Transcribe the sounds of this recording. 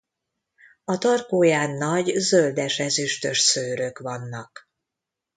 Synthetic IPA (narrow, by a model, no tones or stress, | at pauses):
ɒt̪ɒrkoːjaːnːɒɟzøld̪ɛʃɛzyʃt̪øʃsøːɾø̞kʋɒnːɒk